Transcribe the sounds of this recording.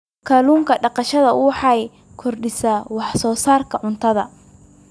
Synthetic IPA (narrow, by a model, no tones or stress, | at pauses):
kʰaːluːŋkʰɐɖɑqɑʃɐðɐwɑħɑj | kʰɔrɖɪsaːwɑħsɔːsaːrkʰɐʕʊnt̪ʰɐðɐ̰